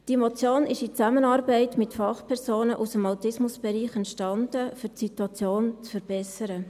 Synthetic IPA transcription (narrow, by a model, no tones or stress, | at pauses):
d̥imot͡sjoːnɪʃit͡sæmənɑːɾbɛɪtmɪtfɑχpʰɛɾsoːnəʔusəmɑwtɪsmʊsb̥ɛɾiːχɛntʃtɑnd̥əfʏɾtsituɑt͡sjoːnt͡sfəɾb̥ɛsəɾə